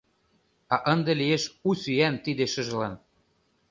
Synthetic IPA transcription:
ɑʔə̆nd̪elieʃusyænt̪id̪eʃɤ̆ʒ̆lɑn

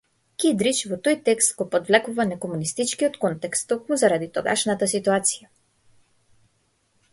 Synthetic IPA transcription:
kid̪ɾit͡ʃvɔt̪ojt̪ɛkst̪ɡɔpɔd̪vlɛkuvanɛkɔmunist̪it͡ʃkiɔt̪kɔnt̪ɛkst̪ːokmuzaɾad̪it̪ɔɡa̰ʃnat̪asit̪uat̪sija

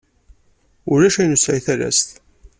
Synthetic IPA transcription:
ʊɾæʃæjnusʕiθæɾæ̰st̪

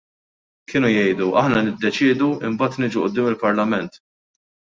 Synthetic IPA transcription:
kʰɪːnujɛjd̪uʔɐħnɐnɪd̪ːɛt͡ʃɪːd̪uɪmbɐːt̪nɪːd͡ʒuʔʊd̪ːɪːmɪlpɐɾlɐmɛnt̪

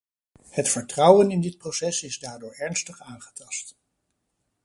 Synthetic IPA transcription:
hətfəɹtrʌwənɪndɪt̚prosɛsɪzdaːɹdʊːɹɛɹnstəχaːnχə̥tɑst

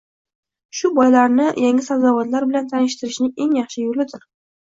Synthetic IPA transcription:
ʃʊbɒjlaɾnɪjaŋɪsawzawɒt̪laɾbɪlant̪ʰanɪʃt̪ʰɪɾɪʃnɪŋe̞ŋjɑχʃɪjolɪd̪ɪɾ

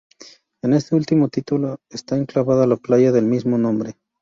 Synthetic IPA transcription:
e̞ne̞st̪e̞ult̪imo̞t̪it̪uloest̪aeŋklaβaðalaplaʝaðe̞lmizmo̞nõmbɾe̞

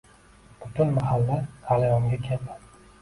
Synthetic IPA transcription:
b̥ʊt̪ʰʊnmahalːad̪ʰalajɒŋɡʲakʲʰelpa

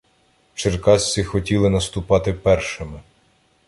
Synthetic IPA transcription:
t͡ʃerkɑsʲt͡sʲixɔtʲilˠɪnɐst̪ʊpɑt̪ɪpɛrʃɪmɪ

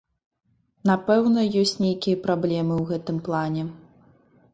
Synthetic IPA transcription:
napɛwnɐjɔsʲt͡sʲnʲejkʲijɐpɾablʲɛmɨwɣɛt̪ɨmplˠanʲɛ

